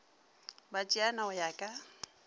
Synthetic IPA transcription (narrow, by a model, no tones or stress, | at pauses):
bat͡ʃʼianaʊjakʼa